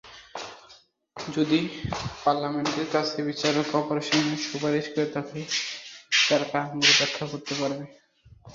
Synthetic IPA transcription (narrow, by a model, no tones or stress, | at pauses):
d͡ʑod̪ipaɾlameɳʈeɾkat͡ɕʰebit͡ɕaɾokɔpoɾaʃoneʃupaɾiʃkoɾet̪akʰe | t̪aɾpaɡoɾeb̪ɛkʰːaɦoɾt̪ːepaɾbe